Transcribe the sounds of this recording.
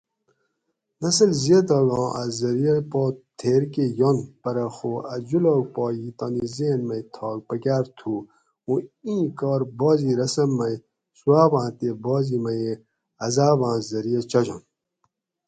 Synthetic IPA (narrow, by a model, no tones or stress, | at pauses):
nɐs̬əlzied̪oɡɔ̃ːʔazɐɾijɐpɔːt̪ʰeːɾkejonpɐɾɐxoːɐd͡ʑuloːɡ̚pɔːjit̪onizeːnmɐjt̪ʰɑːɡ̚pɐkʲaːɾt̪ʰuː | ũĩːkɔːɾbɔːziːɾɐsɐmːɐj | suwaːbãːt̪ebɔːzimɐje | ɐzaːbãːzɐɾijɐt͡ɕɐd͡ʑo̰n